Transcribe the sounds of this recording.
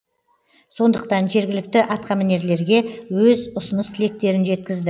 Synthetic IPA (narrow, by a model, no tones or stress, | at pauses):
so̞nd̪əq̚t̪ɑnʒe̞ɾɡʲɪlɪk̚t̪ɪʔɑt̪qɑmæne̞ɾle̞ɾɡʲe̞wɵzʊsʊnəst̪ʰɪle̞k̚t̪e̞ɾɪnʒe̞t̪̚kʲɪzd̪ɪ